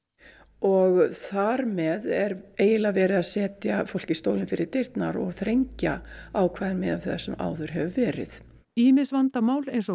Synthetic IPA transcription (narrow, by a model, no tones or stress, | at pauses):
ɔɣθaɾmɛðɛɾeːjɪlavɛːɾɪðaðsɛːt̪jafowl̥cɪst̪oːwlɪnfɪɾɪɾ̥t̪ɪɾt̪naɾɔɣθɾejɲcaawkʰvaːðɪnmɛðaθɛsːɛma̰ːwðʏɾ̥ɦɛvʏvɛːɾɪ̰θ | iːmɪsvant̪amaːwlejnsɔ